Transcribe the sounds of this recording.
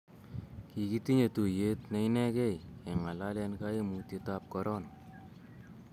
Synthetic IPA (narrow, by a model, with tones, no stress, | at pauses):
ki˨ki˦t̪i˦ɲe˨tu˨je˦t̪nɛ˦jnɛ˦kɛ˦jɛ˨ŋa˨la˦lɛ˧nkae˦mu˨te˧tap̚kɔɾɔn